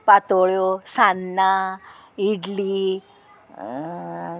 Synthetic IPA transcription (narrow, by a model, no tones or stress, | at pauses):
pat̪oɭjosanːa | iɽli